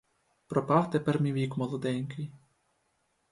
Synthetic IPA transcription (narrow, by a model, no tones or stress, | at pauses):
pɾɔpɑwt̪ɛpɛɾmʲiʋʲikmɔlˠɔd̪ɛnʲkɪj